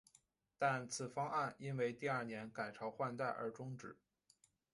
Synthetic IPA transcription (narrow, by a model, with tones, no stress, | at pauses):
t̪a˥˩nt͡sʰɹ̩˨˩fɑ˥ŋa˥˩ni˥nwe˥˧ɪt̪i˥˧ɐ˞˥˩njɛ˧˥nka˨˩ɪʈ͡ʂʰɑ˧˥ʊxwa˥˧nt̪a˥˩ɪʔə̰˞˧˥ʈ͡ʂʊ˥ŋʈ͡ʂɻ̩˨˩˦